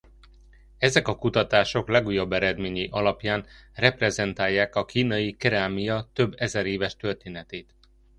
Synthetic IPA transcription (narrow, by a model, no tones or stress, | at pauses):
ɛzɛkɒkut̪ɒt̪aːʃo̞klɛɡuːjo̞bːɛɾɛd̪meːɲiʔɒlɒpjaːnrɛprɛzɛnt̪aːjːaːkɒkiːnɒjikɛɾaːmijɒt̪øbːɛzɛɾeːvɛʃt̪ørt̪eːnɛt̪eːt̪